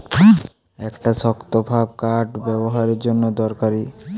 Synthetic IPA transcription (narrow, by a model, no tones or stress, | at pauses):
ɛkʈaʃɔkt̪obʱab̚kaɾʈbɛboɦaɾeɾd͡ʑonːod̪ɔɾkaɾi